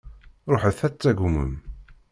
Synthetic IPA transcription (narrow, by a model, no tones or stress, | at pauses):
ɾˤoħəθæt͡sːæɡumə̰m